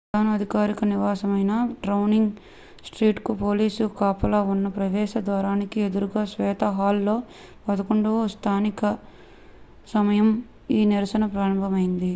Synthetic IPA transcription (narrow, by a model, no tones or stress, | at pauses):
ɾpɐd̪ʱaːnɐɐd̪ʱikaːɾikɐniʋaːsɐmɐjnɐɖɾɐwniŋɡ | sʈɾiːʈkupoːliːsukaːpɐlaːunːɐpɾɐʋɛːʃɐd̪ʋaːɾaːnikied̪uɾuɡaːsʋɛːt̪ɐɦaːlːo̞ː | pɐd̪ɐkuɳɖust̪ʰaːnikɐ | sɐmɐjɐm | iːniɾɐsɐnɐpɾaːɾɐmbʱɐmɐjind̪i